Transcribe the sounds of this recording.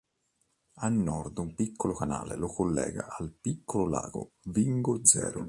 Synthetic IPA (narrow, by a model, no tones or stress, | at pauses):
alnːɔrd̪umpikʰːolokanaːlelokolːɛːɡaʔalpikʰːolola̰ːɡ̥o̰ | viŋɡod̪zɛ̰ːɾo